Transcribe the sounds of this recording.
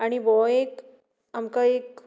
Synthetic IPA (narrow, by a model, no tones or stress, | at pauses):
aɽ̃iʋɔek | amkaek